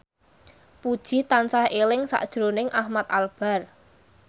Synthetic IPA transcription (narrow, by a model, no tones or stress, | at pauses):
pud̥ʒ̥i̤t̪ansahelɪŋsa̰ʔd̥ʒ̥ɾonɪŋʔahmat̪̚alb̥a̤r